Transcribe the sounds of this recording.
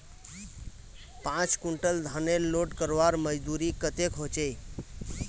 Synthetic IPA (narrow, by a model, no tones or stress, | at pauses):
pãt͡ʃkuɳʈəld̪ʱənelːoʈkəɾʋaɾməd͡ʒd̪uɾikət̪ekɦot͡ʃej